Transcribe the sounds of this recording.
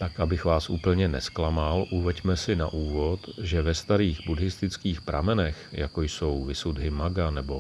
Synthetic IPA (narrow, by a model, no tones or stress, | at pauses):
t̪akʔabɪxvaːsʔṵːpl̩ɲɛnɛ̰sklamalʔuvɛɟmɛsɪna̰ʔuːvo̞t̪ʒɛvɛst̪aɾiːɣbudɦɪst̪ɪt͡skiːxpɾa̰mɛnɛxjakojso̞wvɪsud̪ɦɪmaɡanɛbo̞